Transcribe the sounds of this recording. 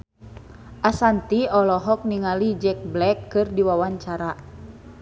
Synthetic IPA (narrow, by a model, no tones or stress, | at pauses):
ʔasant̪iɔlɔɦɔk̚niŋalid͡ʒɛk̚blɛkːɨrdiwawaɲt͡ʃaɾa